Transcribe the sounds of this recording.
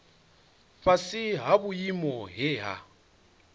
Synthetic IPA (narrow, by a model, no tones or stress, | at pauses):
ɸasɪɦaβujimɔɦɛːɦa̰